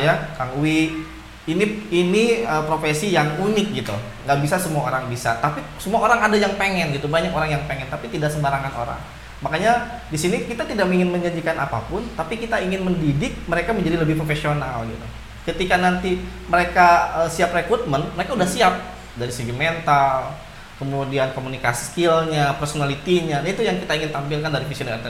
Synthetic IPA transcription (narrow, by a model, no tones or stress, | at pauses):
jakaŋuwi | iniiniəpɾofesijaŋunɪk̚ɡit̪ṵ | ŋɡaʔbisasəmuaoɾaŋbisa̰t̪apisəmuaoɾaŋadajaŋpeŋɛnɡit̪ubaɲakoɾaŋjaŋpeŋɛnt̪apit̪idaksəmbaɾaŋanʔo̰ɾa̰ŋ | makaɲadisinikit̪at̪idakmiŋɪnməɲd͡ʒaɲd͡ʒikana̰pa̰pʊnt̪apikit̪aiŋɪnməndidɪk̚məɾekaməɲd͡ʒadiləbɪhpɾofesionalɡḭt̪u | kət̪ikanant̪iməɾekaəsiaprekɾut̪̚mənməɾekaudahsiap̚ | daɾiseɡiment̪al | kəmudiankomunikasi̥skilɲapərsonalit̪iɲanit̪ujaŋkit̪aiŋɪnt̪ampɪlkandaɾikisunɛrt̪